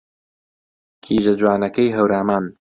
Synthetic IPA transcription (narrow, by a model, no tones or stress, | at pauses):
kʰiːʒɐd͡ʒwaːnɐkɐjɦɐwɾaːmaːn